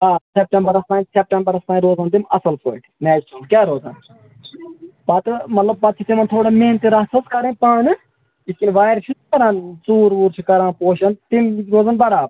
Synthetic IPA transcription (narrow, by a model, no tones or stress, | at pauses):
aːsep̚ʈẽmbɐɾɐst̪aːĩsep̚ʈembɐɾɐst̪aːĩɾoːzaːnt̪imɐsɐlpʰoːʈnɛːʃʈɐlkʲaːɾoːzɐn | pɐt̪mɐt̪lɐb̚pɐt̪̚t͡ʃʰit̪imɐnt̪ʰoːɽameːnt̪eɾɐsɐskɐɾẽːpaːnɨ | iskinʋaːjɾʃʰukɐɾãːnt͡suːɾʋuːɾt͡ʃʰikɐɾãːnpoːʃɐnt̪imɾoːzɐnbɐɾaːb̚